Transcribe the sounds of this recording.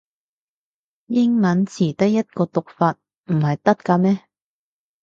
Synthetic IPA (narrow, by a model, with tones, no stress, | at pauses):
jɪ˥ŋmɐ˨˥nt͡sʰiː˨˩t̪ɐ˥kjɐ˥t̚kɔː˧t̪ʊ˨k̚faː˧t̚ | m̩˨˩hɐ˨jt̪ɐ˥t̚kaː˧mɛː˥